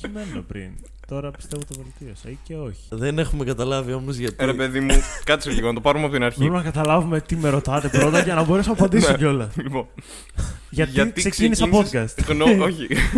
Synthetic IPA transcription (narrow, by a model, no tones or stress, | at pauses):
çime̞numepɾḭn | t̪o̞ɾɐpi̥st̪e̞vot̪ovolit̪iosɐice̞o̞çi̥ðene̞xumekɐt̪ɐlɐviomizʝɐt̪iɾepeðimukɐt̪i̥seliɣonɐt̪opɐɾumeɐpot̪inɐɾçelumenɐkɐt̪ɐlɐvume̞t̪ime̞ɾo̞t̪ɐt̪e̞pɾo̞t̪ɐʝɐnɐbo̞ɾesunɐpɐnd̪isɟeo̞lɐlipon | ʝɐt̪ɐt̪secinisɐnpo̞t̪̚kɐst̪ɣnooçi